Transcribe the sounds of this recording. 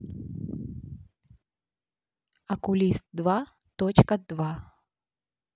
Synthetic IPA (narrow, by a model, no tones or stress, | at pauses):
ɐkʊlʲist̪̚d̪va | t̪ot͡ɕkɐd̪va